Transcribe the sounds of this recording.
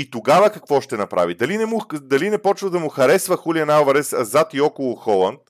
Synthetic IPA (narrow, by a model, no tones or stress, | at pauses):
it̪oɡavəkɐkvɔʃt̪ɛnɐpɾʔa̰vid̪ɐlinɛmud̪ɐlinɛpɔt͡ʃvəd̪ɐmʊxɐɾɛsvəxuliɐnalvɐɾɛszat̪iɔkʊlˠʊxɔlˠənt̪